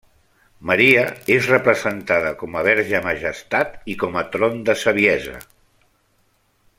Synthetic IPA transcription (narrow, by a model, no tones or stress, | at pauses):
məɾiəezrəpɾəzənt̪aðəkɔməβ̞ɛɾʒəməʒəst̪at̪ikɔmət̪ɾond̪əsəβ̞iɛzə̰